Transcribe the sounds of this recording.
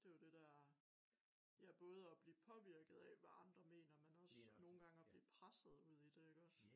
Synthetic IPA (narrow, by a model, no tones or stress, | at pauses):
d̥e̝jod̥e̝d̥æɐ | jæɐb̥ɔ̽ːð̞̩ˠɒb̥liːpʰɒ̽ʋiɐ̰ɡ̥ð̞̩ˠɛʋæʔɑ̈nd̥ʁɐme̝̰ːnɐmænɒ̽sno̝ːn̩ɡ̥ɑ̈ŋæb̥liːpʰʁasəð̩ˠuð̞̰ˠid̥eeɡ̥ɒ̽s